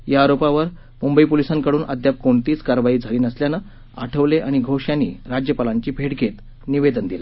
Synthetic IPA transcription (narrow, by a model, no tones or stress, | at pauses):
jaːɾopaʋəɾ | mumbəiːpolisãŋkəɽuːnʔa̰d̪jap̚koɳt̪iːt͡skaɾʋaiːd͡zʱəɾiːnəsljana | a̰ʈʰəʋleʔaɽ̃iɡʱoɕjãnḭːɾad͡ʑjəpalãɲt͡ɕiːbʱeʈɡʱet̪ | niʋed̪ənd̪ila